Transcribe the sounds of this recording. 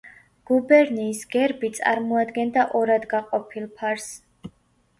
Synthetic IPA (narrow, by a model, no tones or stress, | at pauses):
ɡ̥ubɛɾniːsɡɛɾbit̪sʼa̰ɾmɔad̪ɡɛnd̪aʔɔɾad̪ɡaqʼɔpʰilˠpʰaɾs